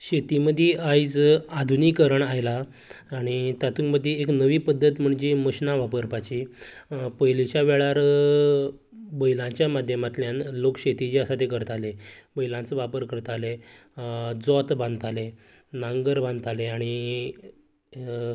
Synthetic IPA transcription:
ɕet̪iməd̪ʱjeʔajd͡zad̪ʱunikəɾəɳajlaː | ɽ̃it̪at̪ʰuŋməd̪ʱːjeeknəʋiːpəd̪ʱːət̪m̤əɳd͡ʑeməɕnaʋapəɾpat͡ɕi | pəjlit͡ɕjaʋɛɭaɾ | bəjlãɲt͡ɕjamad̪ʱjəmat̪ljãnlokɕet̪it͡ɕiəsat̪ekəɾt̪alebəjlãnt͡səʋapəɾkəɾt̪ale | d͡zɔt̪bãnd̪t̪ale | nãŋɡəɾbãnd̪t̪aleaɽ̃i

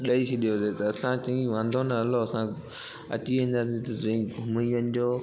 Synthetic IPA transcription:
ɗɐisʰiɗijoset̪ɐɐsãt͡ɕɐ̃ĩʋãːnd̪ʱonɐɐloɐsã | ɐ̰t͡ɕiʋĩːn̆d̪aːs̬ĩt̪ɐzɐ̃ĩʊmiənɪ̆d͡ʑoː

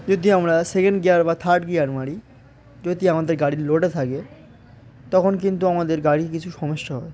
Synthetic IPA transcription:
d͡ʑod̪iamɾasekeɳɖɡeaɾbat̪ʰaɾʈɡeaɾmaɽi | d͡ʑod̪iamad̪eɾɡaɽiloʈet̪ʰake | t̪ɔkʰonkint̪uamad̪eɾɡaɽikit͡ɕʰuʃɔmoʃːaɦɔe

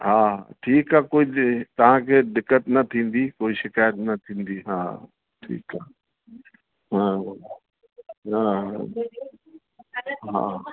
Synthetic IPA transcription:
ɦa̰ːʈʰiːkakoːit̪ɐʋ̤ãkʰeːɖɪkːəʈnɐt̪ʰĩːnd̪ikoːiʃɪkaːjət̪nɐt̪ʰĩːn̆d̪iɦa̰ː | ʈʰḭːkaː | ɦaː | ɦaː | ɦa̰ː

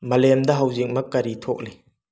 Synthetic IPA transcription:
mɐlɛmdɐɦɐwzik̚mɐkːɐɾitʰɔk̚le

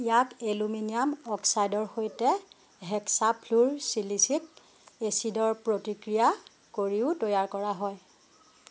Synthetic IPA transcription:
ijakeluminijamɔksajdɔɹxojtɛ | ɦɛksapʰluɹsilisik̚ | esidɔɹpɹotikɹija | koɹiʊtɔjaɹkɔɹaɦɔj

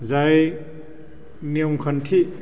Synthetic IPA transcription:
zaj | niomkʰɐntʰi

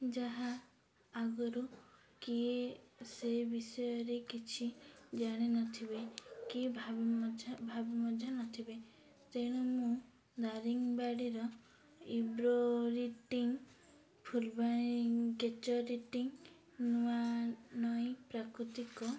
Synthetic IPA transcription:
d͡ʒaɦaː | ɡɔɾu | kiesebisɔjɔɾekit͡ʃʰid͡ʒaɽ̃enɔt̪ʰiβekibʱd͡ʒabʱabimɔd͡ʒʱanɔt̪ʰibe | t̪eɽ̃ɔmũ | d̪aɾiŋbaɽiɾɔ | ibɾoɾiʈiŋ | pʰulbãiŋket͡ʃɔɾiʈiŋ | nuanɔjpɾakɾut̪ikɔ

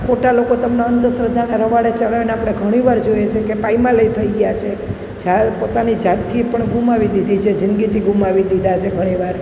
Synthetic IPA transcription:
kʰoʈalokot̪əmnaənt̪əsɾəd̪ʱaneɾəʋaɽet͡ʃəɭajoneapɽ̃eɡʱəɽ̃iʋaɾd͡ʒojet͡ʃʰekepaimãləit̪ʰəiɡəjat͡ʃʰe | d͡ʒapot̪anid͡ʒat̪t̪ʰːipəɳɡumaʋid̪id̪ʱit͡ʃʰed͡ʒɪnɡit̪ʰiɡumaʋid̪id̪ʱat͡ʃʰeɡʱəɽ̃iʋaɾ

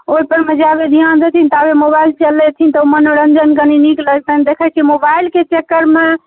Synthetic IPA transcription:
oipəɾməd͡ʒabed̪ʱijand̪et̪ʰint̪abemobailt͡ʃəlːɛt̪ʰint̪əumənoɾənd͡ʒənkəninikləd͡ʒt̪ʰənd̪ekʰət͡ʃʰimobailket͡ʃekːəɾme

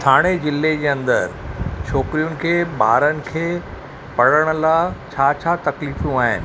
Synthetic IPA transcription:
t̪ʰaːɽ̃ed͡ʑɪlːed͡ʑeːɐ̃nd̪əɾt͡ɕʰoːkɾijʊnɪ̆kʰeːɓa̰ːɾənɪ̆kʰeː | pɐɽəɽ̃ʊ̆laːt͡ɕʰaːt͡ɕʰaːt̪ɐkliːfjũaːɦɪ̰nɪ̆

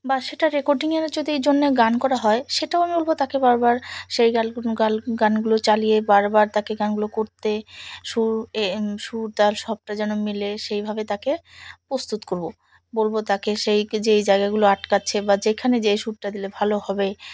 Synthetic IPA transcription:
baʃeʈaɾekoɾɖiŋeɾed͡ʑod̪ʱiejd͡ʑonːeɡankɔɾaɦɔeʃeʈaoamibolbot̪akebaɾbaɾʃejɡalɡalɡanɡulot͡ɕaliebaɾbaɾt̪akeɡanɡulokoɾt̪eʃuɾeʃuɾd̪alʃɔb̚ʈad͡ʑɛnomileʃejbʱabet̪akepɾost̪ut̪koɾbo | bolbot̪akeʃejd͡ʑejd͡ʑaeɡaɡuloaʈkatːɕʰebad͡ʑekʰaned͡ʑeʃuɾʈad̪ilebʱalohɔbe

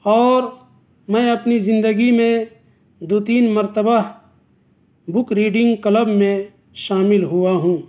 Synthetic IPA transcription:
ɔːɾ | mɛ̃ɐpnizɪ̃nd̪əɡimẽ | d̪oːt̪iːnməɾt̪əba | bʊkɾiːɖɪ̃ŋɡkləbmẽ | ʃaːmɪlɦʊaɦũː

